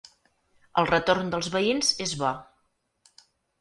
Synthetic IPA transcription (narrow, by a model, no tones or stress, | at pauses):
əlˠrət̪ornd̪əlˠzβəinzezβɔ